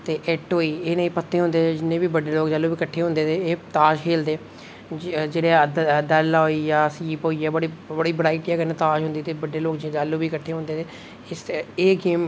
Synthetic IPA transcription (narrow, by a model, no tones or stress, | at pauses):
t̪eːʔɛːʈɦoːiːeːnaiːpət̪ːeːɦʊ̃nd̪eːed͡ʒɪnːẽːbiːbəɖeːloːkd͡ʒalːuːbiːkəʈʰːeːɦʊ̃nd̪eːt̪eːeːt̪aːʃkʰeːld̪eː | d͡ʒeːɽeːd̪ɛlaːiːjaːsiːpoːiːɛːbəɽiːbəɽiːbəɽaːiːʈijaːkənẽːt̪aːʃɦʊ̃nd̪iːt̪eːbəɖːeːloːkd͡ʒd͡ʒaːlːuːbiːkəʈʰːeːɦʊ̃nd̪eːt̪eː | ɪseːɡeːm